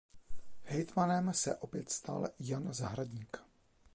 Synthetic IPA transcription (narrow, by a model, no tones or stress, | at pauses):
hɛjt̪manɛmsɛʔo̞pjɛt̪st̪a̰ljanzaɦɾaɟɲiːk